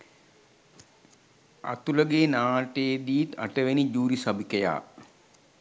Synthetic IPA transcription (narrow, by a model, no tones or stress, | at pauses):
a̰t̪uləɡeːnaːʈeːd̪iit̪a̰ʈəʋenid͡ʒuːɾisabikəja̰ː